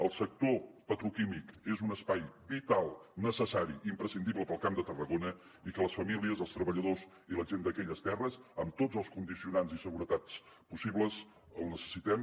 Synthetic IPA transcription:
əlˠsək̚t̪opət̪ɾukimikezunəspajbit̪alˠnəsəsaɾiʔimpɾəsind̪ibləpəlˠkamd̪ət̪ərəɣonə | ikələsfəmiliəzəlˠst̪ɾəβəʎəðoz | iləʒend̪əkɛʎəst̪ɛrəzəmt̪ozəlˠskund̪isiunanzisəɣuɾət̪at͡s | pusiβləz | əlˠnəsə̥sit̪ɛm

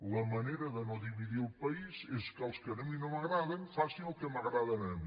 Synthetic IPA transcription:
lɐmɐnejɾɐðɐnoðiβiðiɾupɐisɛzkalˠskɐnɐmĩnõmɐɣɾaðɐŋfaseŋukemɐɣɾaðɐnɐmĩ

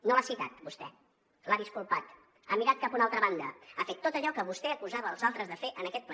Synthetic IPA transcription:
noasit̪a̰t̪bust̪ɛ | laðiskulˠpat̪ | amiɾat̪̚kapunalˠt̪ɾəβand̪əafet̪ːot̪əʎɔkəβust̪ɛəkuzaβəːlˠzalˠt̪ɾəzðəfeʔənəkɛt̪̚p

